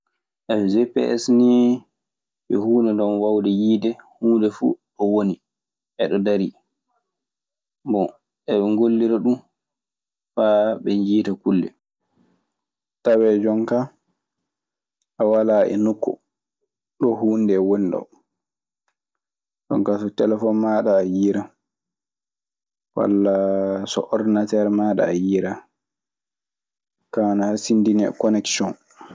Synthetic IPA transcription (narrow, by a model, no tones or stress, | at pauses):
ʔɛɛzɛpɛ̰ɛ̰sni | ɓɛhuːnɛdɔnwawdɛjiːdɛhuːndɛfṵɗɔwoni | ʔɛɗɔdaɾi | bɔ | ɛɗɛŋɡolːiɾaɗum | faɓɛɲd͡ʒiːtakulːɛ̰ | tawɛd͡ʒɔŋka | ʔawalaʔɛ̰nukːɔ̰ | ɗɔhuːndɛwoniɗɔ̰ | d͡ʒɔ̰ŋkasɔtɛlɛfɔnmaɗaːjiɾa | wa̰lːasɔ̰ʔɔɾdinatɛɾmaɗa̰ːjiɾa | kanahasindinɛkɔnɛksɔn